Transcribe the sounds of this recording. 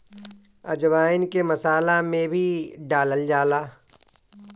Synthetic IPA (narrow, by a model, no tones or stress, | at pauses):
ɐ̰d͡ʒʋaːɪnkemɐsaːlamẽbʱiɖaːləld͡ʒaːlaː